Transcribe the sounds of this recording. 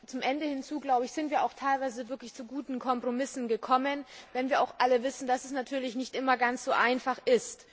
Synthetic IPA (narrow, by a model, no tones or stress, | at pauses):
t͡sʊmʔɛndəhɪnt͡suːɡlaʊbəɪçz̥ɪntv̥iːɐʔa̰ʊxtʰaɪlvaɪzəvɪɐklɪçt͡suɡuːtn̩kʰɔmpʁ̥omɪsn̩ɡəkʰɔmənvɛnviːɐʔaʊxʔaləvɪsn̩d̥asɛsnatʰyːɐlɪçnɪçtʔɪmɐɡant͡sz̥oːʔaɪnfaχʔɪst